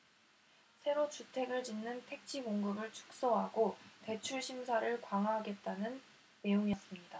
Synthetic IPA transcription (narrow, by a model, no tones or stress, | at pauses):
sʰe̞ɾot͡ɕutʰe̞ɡɯɭt͡ɕinːɯntʰe̞k̚t͡ɕʰiɡoŋɡɯbɯɭt͡ɕʰu̥k̚s͈ʌɦaɡote̞t͡ɕʰuɭɕʰimsʰaɾɯɭkwaŋaɦaɡe̞t̚t͈anɯnː | e̞joŋijʌs͈ɯmɲida